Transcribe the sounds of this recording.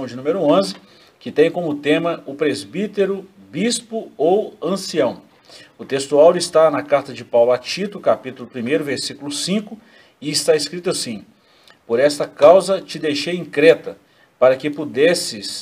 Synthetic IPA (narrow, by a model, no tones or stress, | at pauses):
w̃d͡ʒɪnũmeɾʊõzɪ | kɪt̪ẽj̃kõmʊt̪ẽmɐʊpɾezbit̪eɾʊ | bispʊowɐ̃siɐ̃w̃ | ʊt̪est̪uawd͡ʒist̪anɐkaɾt̪ɐd͡ʒɪpawlʊat͡ʃit̪ʊkapit̪ʊlʊpɾimejɾʊveɾsikulʊsĩkʊ | ɪɪst̪aeskɾit̪ʊasĩ | poɾɛst̪ɐkawzɐt͡ʃɪd̪ejʃejĩkɾɛt̪ɐ | paɾɐkɪpud̪ɛsɪs